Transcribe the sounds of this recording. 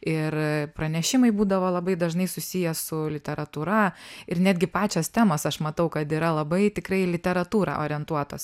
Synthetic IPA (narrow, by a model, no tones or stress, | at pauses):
ɪrpɾɐnʲɛʃʲɪmɐɪbuːd̪ɐʋoːlˠɐbɐɪd̪ɐʒnɐɪsʊsʲijɛsʊlʲɪt̪ʲɛɾɐt̪uːɾɐɪɾnʲæːd̪ʲɡʲɪpɑːt͡ʃʲost̪ʲæːmoːsɐʃmɐt̪ɐʊkɐt̪iːɾɐlˠɐbɐɪt̪ʲɪkɾɐɪlʲɪt̪ʲɛɾɐt̪uːɾɑ̰ʔoːɾʲɪɛnt̪uɔt̪o̰ːs